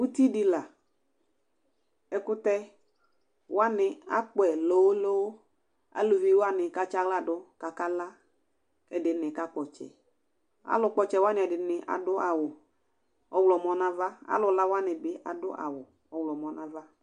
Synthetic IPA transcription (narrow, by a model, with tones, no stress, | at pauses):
u˦ti˦dɪ˧la˨ | ɛ˨kʊ˦tɛ˦ | wa˦nɪ˨a̰˦k͡pɛ˨lo˨˦wlo˦w | a̰˨˦lu˨vi˨˦wa˦nɪ˨ka˨t͡ʃa˦ɡla˦˨dʊ˦ka˨ka˦la˦ | ɛ˨dɪ˨˦nɪ˨ka˦k͡pɔ˨t͡ʃɛ̰˨ | a̰˦lʊ˧k͡pɔ˨t͡ʃɛ˨wa˦nɪ˨ɛ˨dɪ˨nɪ˨ʔa̰˨dʊ˦ʔa˨wʊ˨ | ɔ˦wlɔ˨mɔ˦na˦va˦a̰˦lʊ˨la˦wa˦nɪ˨bɪ˨ʔa̰˨dʊ̰˦ʔa̰˨wʊ˨ | ɔ˨wlɔ˨mɔ˨˦na˦va˦